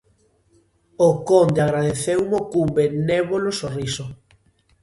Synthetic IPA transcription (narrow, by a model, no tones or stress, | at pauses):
okond̪eaɣɾaðeθewmokumbeneβolosoriso